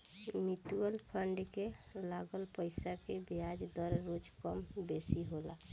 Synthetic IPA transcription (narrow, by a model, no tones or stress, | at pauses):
mit̪uəlpʰəɳɖkelaɡəlpəɪsakebjad͡ʒd̪əɾɾod͡ʒkəmbesiɦola̰